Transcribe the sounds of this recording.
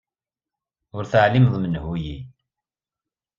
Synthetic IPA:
ʊɾθəʕlimðˤmənhuji

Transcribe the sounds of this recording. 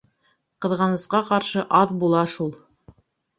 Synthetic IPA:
qɤ̆ðʁɑnɤ̆sqɑqɑɾʃɤʔɑðbulˠɑʃulˠ

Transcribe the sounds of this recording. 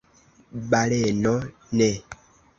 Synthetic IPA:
ɓalɛnɔ | nɛ

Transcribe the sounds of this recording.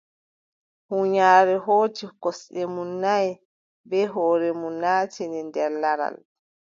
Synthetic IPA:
huɲaːɾɛɦoːtikɔsɗɛmunːaj | bɛɦɔːɾɛmunːaːtɛnɛndɛɾlaɾa̰l

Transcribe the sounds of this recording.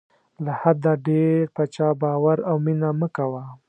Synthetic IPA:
lahad̪aɖeɾpat͡ʃɑbɑwaɾawminaməkawa

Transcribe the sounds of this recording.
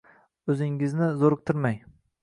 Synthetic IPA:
ɵzɪŋɪznɪzoɾɨq̚t̪ʰɪɾmaj

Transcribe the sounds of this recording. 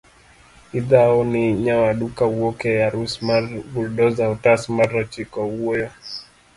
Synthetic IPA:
iðaɔniɲawaɗukawɔkɛjaɾusmaɾɡulɗɔzaɔtasmaɾat͡ʃikɔuɛjɔ

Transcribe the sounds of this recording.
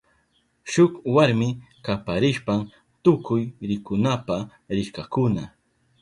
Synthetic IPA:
ʃʊkwaɾmɪkapaɾɪʃpam | t̪ʊkʊjɾɪkʊnapa | ɾɪkakʊna

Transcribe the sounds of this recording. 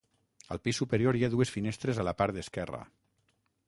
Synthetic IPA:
ə̰lˠpisːupeɾioɾjaðuesfinest̪ɾezaləpaɾt̪d̪əskɛrə̰

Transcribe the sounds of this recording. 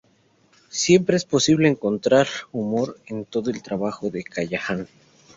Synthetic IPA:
sje̞mpɾe̞espo̞siβle̞ːŋko̞nt̪ɾaɾumo̞ɾe̞nt̪o̞ðoe̞lt̪ɾaβaxo̞ðe̞kaʝaxan

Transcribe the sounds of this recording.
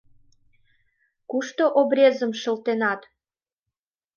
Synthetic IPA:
kuʃt̪oʔobɾʲezəmʃə̆lt̪enɑt̪

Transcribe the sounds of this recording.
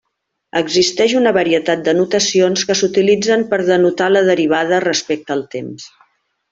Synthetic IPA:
əɡzist̪ɛʃunəβəɾiət̪at̪̚d̪ənut̪əsionskəsut̪ilid͡zəmpəɾðənut̪aləðəɾiβ̞að̞ərəspɛk̚t̪əːlˠt̪ems

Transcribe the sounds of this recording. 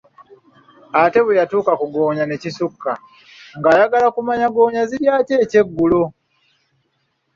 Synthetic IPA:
ate̞βejatuːkakuɡo̞ːɲane̞cisukːa | ŋɡaːjaɡalakumaɲaɡo̞ːɲaziɾjaːce̞ːce̞ɡːulo̞

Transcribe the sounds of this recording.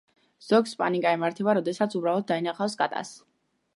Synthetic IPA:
z̥ɔɡspʼa̰nikʼaɛmaɾt̪ʰɛbaɾɔd̪ɛsat̪sʰubɾalˠɔd̪̚d̪ainaχafskʼa̰t̪ʼa̰s

